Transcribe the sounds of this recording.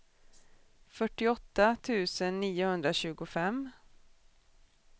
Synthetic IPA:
fœʈːɪɔt̪ːat̪ʰʉ̟ːsənːiːʊhɵnd̪ɾaɕʉ̟ːɡʊfɛm

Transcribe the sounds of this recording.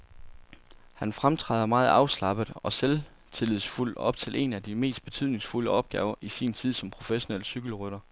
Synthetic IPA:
hænfʁamt͡sʰʁɛ̰ːðˠɐmɑ̈ːð̞̩ˠɑ̈ʊslɑ̈b̥əð̩ˠɒ̽sel | t͡sʰe̝lið̩ˠsful̰d̥ɒ̽b̥t͡sʰe̝lʔe̝̰næd̥ime̝̰ːsd̥̚b̥e̝t͡sʰyð̞̰ˠne̝ŋsfuləɒ̽b̥̚ɡ̥ɛ̰ːʊɐʔisint͡sʰið̞̰ˠsɒ̽mpʰʁo̝feɕo̝nelsyɡ̥l̩ʁøɾ̥ɐ

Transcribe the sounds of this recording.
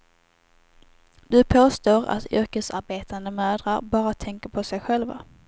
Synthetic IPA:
d̪̥ɵpʰoːst̪oːɾa̰t̪ʏɾkəsaɾbeːt̪and̪əmøːd̪ɾaɾbɑːɾat̪ʰɛŋkəɾpʰɔsɛjɧɛlva̰

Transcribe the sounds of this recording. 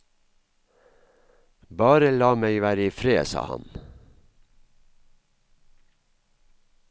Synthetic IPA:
bɑːɾəlɑːmæɪʋæːɾiːfɾeːsɑ̰ːhɑ̰n

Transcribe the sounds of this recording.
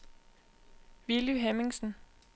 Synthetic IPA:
ʋiluɦemiŋsn̩

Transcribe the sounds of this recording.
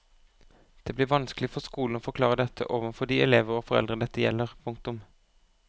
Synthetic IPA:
d̪̥eːblɪːʁʋɑnsklɪfɔskuːln̩oːfɔʁklɑːʁəd̪ɛt̪ʰə̰ʔoːʋənfɔd̪iːɛleːʋəʁoːfɔʁɛ̰ld̪ʁəd̪ɛt̪ːəjɛ̰lːəʁpʰʊŋk̚t̪ʊm

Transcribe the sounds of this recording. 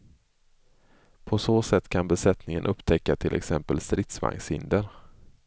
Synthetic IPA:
pʰɔsoːsɛt̪ːkʰanbɛsɛt̪nɪŋənʔɵpt̪ʰɛkːat̪ʰɪlʔɛ̰ksɛmpəlst̪ɾɪt̪sva̰ŋshɪ̰nd̪əɾ

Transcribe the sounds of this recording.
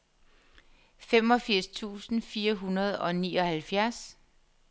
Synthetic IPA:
fem̰ɒ̽fiɐ̰st͡sʰṵːsn̩fiːɐɦunɐð̞̩ˠɒ̽niːɒ̽hælfjæɐs

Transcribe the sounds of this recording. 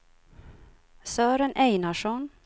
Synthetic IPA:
søːɾənʔeɪnɑʃɔn

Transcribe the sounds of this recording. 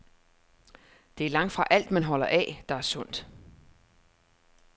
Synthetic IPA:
d̥e̝æɐlɑ̈ŋ̰d̥fʁɑ̈ʔæl̰d̥mænɦɒ̽lɐʔɛ̰d̥ɑ̈æɐsɔ̽n̰d̥

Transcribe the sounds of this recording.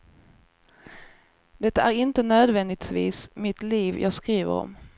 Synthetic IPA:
d̪̥ɛt̪ːaæɾɪnt̪ənøːd̪vɛnd̪ɪɡt̪vḭːsmɪt̪liːvjʔɑ̰ːɡskɾiːvə̰ɾɔ̰m

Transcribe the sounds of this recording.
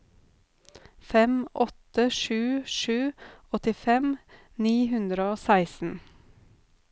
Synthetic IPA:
fɛmʔɔt̪əʃʉːʃʉːɔt̪ɪfɛm | niːhʉnd̪ɾəoːsæɪsn̩

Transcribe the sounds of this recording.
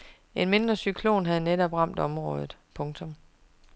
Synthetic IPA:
e̝nme̝nd̥ʁɐsykʰlo̝̰ːnɦæð̞̩ˠnedɒ̽b̥ʁɑ̈m̰d̥ɒ̽mʁɔ̽ːð̞ˠð̩ˠpʰɔ̽ŋt͡sʰɔ̽m

